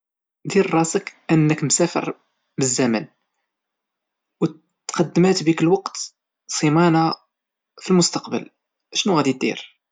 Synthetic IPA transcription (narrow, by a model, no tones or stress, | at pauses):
d̪iɾrˤːɑsəkʔənːəkmsæfə̰ɾ | bəzːæmæn | w | t̪qɑd̪ːmæt̪bikəlwɑqt̪ | sˤimɑna | filmʊst̪ɑqbə̰l | ʃnuɣæd̪it̪d̪ḭɾ